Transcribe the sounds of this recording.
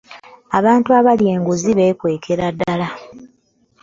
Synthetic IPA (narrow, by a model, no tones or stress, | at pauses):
aβaːntuaβalie̞ːŋɡuziβe̞ːkwe̞ːkʰe̞ɾadːala